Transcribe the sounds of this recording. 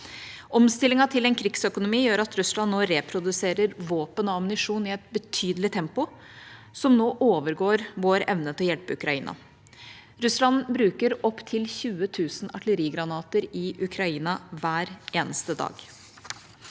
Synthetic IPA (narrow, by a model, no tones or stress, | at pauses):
ʔɔmst̪ɪlɪŋɑt̪ʰɪlɛnkʰɾɪksœkʊnʊmiːjøːɾɑt̪ɾʉsɭɑnːoːɾɛpʰɾʊd̪ʉseːɾəɾʋoːpənɑɑmnɪʂuːnɪɛt̪̚bət̪ʰyːd̪əlɪt̪ʰɛmpʊ | sɔmnoːʔoːʋəɾɡoːɾʋoːɾɛʋnət̪ɪlɔjɛlpəʉkɾɑiːnɑ̰ | ɾʉslɑnbɾʉːkəɾɔpːt̪ʰɪlçʉːət̪ʰʉːsnɑʈələɾiːɡɾɑnɑːt̪əɾɪʔʉkʰɾɑiːnɑʋæːɾeːnəst̪əd̪ɑ̰ːɡ̥